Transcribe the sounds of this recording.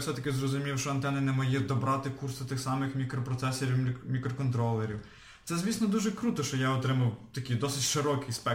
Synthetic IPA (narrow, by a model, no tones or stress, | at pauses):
sɛt̪ɐkɪzrɔzʊmʲiwʃt͡ʃɔɐnt̪ɛnɐnɛmɐjid̪ɔbɾɑt̪ɪkursʊt̪ɪxsɑmɪxmʲikɾɔpɾɔt̪sɛsɔɾʲiwmʲikɾɔkɔnt̪ɾɔlˠːeɾʲiw | t̪sɛzʲʋʲisnɔd̪uʒɛkɾut̪ɔʃt͡ʃɔjaɔt̪ɾɪmɐwt̪ɐkʲijd̪ɔsɪtʲʃɪɾɔkɪjspɛ